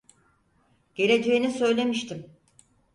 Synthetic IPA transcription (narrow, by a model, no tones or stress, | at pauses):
ɟ̥e̞ɾe̞d͡ʒe̞jinisø̞jlʲe̞miʃt̪ʰim